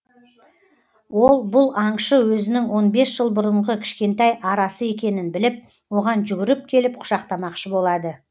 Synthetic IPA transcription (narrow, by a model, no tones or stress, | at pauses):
wo̞lˠbʊlˠɑɴʃəwɵzɪnɪŋwo̞nbe̞sʒ̥əlˠbʊɾəɴʁəkʲʰɪ̥ʃkʲe̞nt̪ɑjɑɾɑsəe̞kʲe̞nɪnbɪlɪp̚ | wo̞ʁɑnʒʏɡʲɪɾɪp̚kʲʰe̞lɪp̚qʰʊ̥ʃɑqt̪ɑmɑqʃəbo̞lˠɑd̪ə